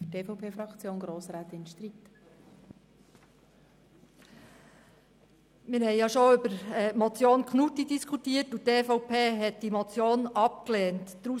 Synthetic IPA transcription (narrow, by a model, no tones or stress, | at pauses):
teːfɔʊpʰeːfɾɑkt͡sjoːnɡ̥ɾoːsɾaːt̪ɪnʃt̪ɾit | mɪɾhɛɪjɑʃoʏbəɾɛmɔt͡sjoːnkʰχnutidiskʰutiːətuteːfɔʊpʰeːɦɛt̚d̥imɔt͡sjoːnɑp̚kleːntd̥ɾu